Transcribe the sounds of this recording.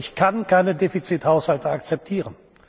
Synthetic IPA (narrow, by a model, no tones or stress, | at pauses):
ɪçkʰankʰaɪnədeːfit͡sithaʊshaltəakt͡sɛp̚tʰiːʁən